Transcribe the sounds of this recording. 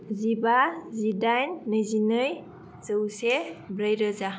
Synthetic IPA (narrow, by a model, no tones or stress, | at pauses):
zibazidajnːɯjzinɯj | z̥ɯwsebɾajɾɯza